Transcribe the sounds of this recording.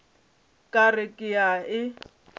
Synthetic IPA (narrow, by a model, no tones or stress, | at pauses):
kʼarɪkʼɪaɪ